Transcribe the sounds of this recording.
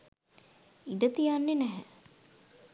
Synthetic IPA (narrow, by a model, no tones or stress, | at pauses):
iɖət̪ijanːenæɦə̰